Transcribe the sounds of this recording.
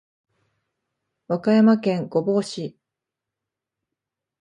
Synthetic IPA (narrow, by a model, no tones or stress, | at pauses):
βakajamakẽ̞ŋɡo̞bo̞ːɕi